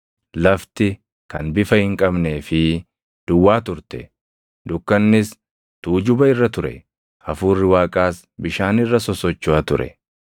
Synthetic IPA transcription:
lɐft̪ɪ | kɐnbɪfɐhɪŋkʼɐbne̞ːfɪ | d̪̥ʊwːaːt̪ʊɾt̪ɛ̰ | d̪ʊkːɐnːɪs | t̪uːd͡ʒʊbɐɪrːɐt̪ʊɾɛ̰ | ɐfuːrːɪwaːkʼaːs | bɪʃaːnɪrːɐsɔsɔt͡ʃːʊat̪ʊɾɛ̰

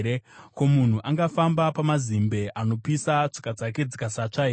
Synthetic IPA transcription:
ɾeko̞mun̤uʔaŋɡafambapamazimbe̞ʔano̞pisat͡ʂi̥kad͡zake̞d͡zikasat͡ʂaɦeː

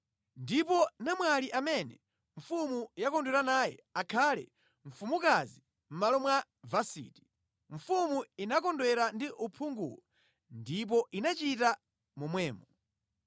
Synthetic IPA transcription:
ndipɔnamwaliʔamɛnɛ | ɱ̩fumujakɔndwɛɾanaːjɛ̰akʰalɛ̰ | ɱ̩fumukazi | m̩malɔmwa | vasḭːti̥ | ɱ̩fumuinakɔndwɛɾandiʔupʰuŋɡṵlɔ | ndip̬ɔʔinat͡ʃita | mumwɛːmɔ

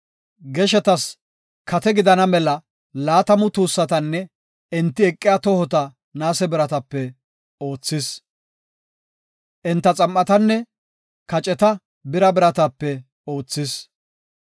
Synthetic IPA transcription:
ɡɛʃɛt̪ɐs | kɐt̪ɛɡɪd̪ɐnɐmɛlɐ | laːt̪ɐmʊt̪uːsːɐt̪ɐnːɛ | ɛnt̪ːɪɛkʼːɪjat̪ɔhɔt̪ɐ | naːsɛbɪɾɐt̪ɐpːɛ | oːt͡sːɪs | ʔɪnt̪ːɐt͡sʼɐmʔɐt̪ɐnːɛ | kɐt͡ʃʼɛt̪ɐ | bɪɾɐbɪɾɐt̪ɐpːɛ | oːt͡sːɪs

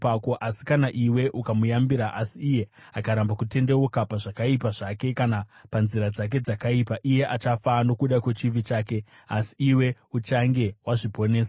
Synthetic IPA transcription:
akoʔasi̥kanaʔiwe̞ʔukamujambiɾaʔasiːje̞ | akaɾambakute̞nde̞okapaʐakaipaʐake̞kanapanziɾad͡zak̬e̞d͡zakaipaʔije̞ʔat͡ʃafano̞kuɗakwe̞t͡ʃiʋit͡ʃaːke̞ | a̰si̥ːwe̞ut͡ʃaŋɡe̞waʐibʱone̞ːsa

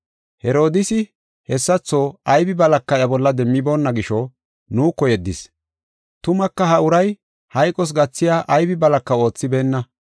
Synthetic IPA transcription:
hɛɾo̞ːd̪ɪsɪ | hɛsːɐt͡sːo̞ːɐjbɪbɐlɐkːɐjɐbɔlːɐd̪ɛmːɪbo̞ːnːɐɡɪʃɔ | nuːkɔjɛd̪ːɪs | t̪ʊmɐkːɐhɐʊɾɐj | hɐjkʼɔs̬ɡɐt͡sːɪjaːʔɐjbɪbɐlɐkːɐo̞ːt͡sːɪbe̞ːnːɐ

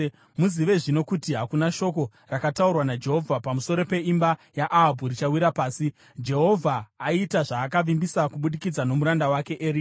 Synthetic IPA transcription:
muziʋe̞ʐino̞kutiɦakunaʃo̞ko̞ | rakataurwanad͡ʒe̞ɦo̞vʱapamuso̞ɾo̞pe̞imbajaʔaɦbʱurit͡ʃawiɾapaːsi | d͡ʒe̞ɦo̞vʱaːitaʐaːkaʋimbisakuɓuɗikid͡zano̞muɾandawake̞ʔeːɾi

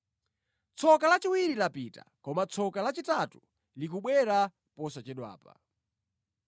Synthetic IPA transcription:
t͡sʰɔkalat͡ʃiwiɾilapita̰kɔmat͡sʰɔkalat͡ʃitatu | likuɓwɛɾa | pɔsat͡ʃɛɗwa̰ːpa̰

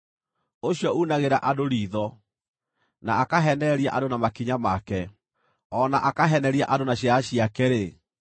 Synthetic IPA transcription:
oɕjɔunaɣeɾaʔadoɾiːðɔ | naakaɦɛnɛɾiaʔadonamakiɲamakɛ | ɔnaʔakaɦɛnɛɾiaʔadonaɕjaɕiakɛɾe

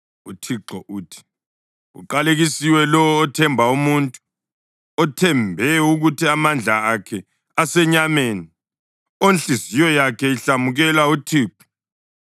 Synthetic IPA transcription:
utʰiǁɔʔuːtʰi̥ | ṵǃaleɣisiwɛlɔɔːtʰɛmbʱaumuntʼu | ɔtʰɛmbʱɛuɣutʰiamand͡ɮʱaːkʰɛ | asɛɲameni | onɬʼizijɔjakʰɛiɬamuɣɛlautʰiːǁɔ̥

